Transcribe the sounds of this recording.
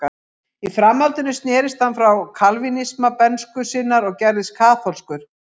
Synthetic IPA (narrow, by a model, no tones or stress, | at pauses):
a | ifɾamːalt̪ɪnʏst̪nɛːɾɪst̪hanfɾawkʰalvinismapɛnskʏsɪːnaɾɔɣcɛɾðɪskʰaːθʰɔlskʏɾ̥